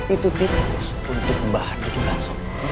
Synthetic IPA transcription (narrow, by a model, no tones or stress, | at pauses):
it̪ut̪inɾʊs | unt̪ʊk̚bahanit̪ulaŋsʊŋ